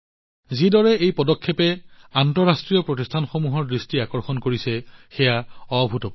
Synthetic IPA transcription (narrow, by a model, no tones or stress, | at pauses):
zidɔɹɛejpɔdɔkʰːepɛantɔɹastɹijɔpɹotistʰanxomuɦɔɹdɹistiakɔɹxɔnkoɹisɛxɛjaɔbʱutɔp